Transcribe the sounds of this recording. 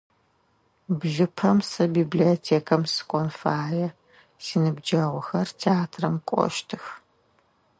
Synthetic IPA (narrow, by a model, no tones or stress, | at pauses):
bɮɨpʰɐmsɐbiːbliotʰeːkʰɐmsɨ̥kʷʼɔnfaːjɛ | siːnɨbd͡ʒɐʁʷɔxɐrtʰeaːtʰrɐmkʷʼɔ̰ʃtʰɨx